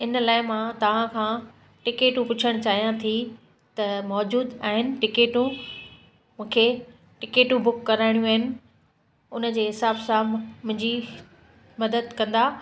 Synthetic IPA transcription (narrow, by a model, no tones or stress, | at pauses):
ɪnəlaːɪmãt̪ɐʋ̤ãkʰãː | ʈɪkeːʈũpʊt͡ɕʰəɽ̃t͡ɕaːɦijãt̪ʰi | t̪ɐmɔːd͡ʑuːd̪aːɦɪnɪ̆ʈɪkeːʈũ | mũːkʰe | ʈɪkeːʈũbʊkːɐɾaːɪɽ̃jũaːɦɪnɪ̆ | ʊnə̆d͡ʑeːɦɪsaːbsãmʊ̃ɦɪ̃ɲd͡ʑi | mɐd̪əd̪kɐ̃nd̪aː